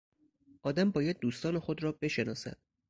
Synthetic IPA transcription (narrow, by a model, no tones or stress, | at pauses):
ʔɒːd̪æmbɒːjæd̪̚ːuːst̪ɒːne̞xo̞d̪ɾɒːbe̞ʃe̞nɒ̰ːsæ̰d̪̥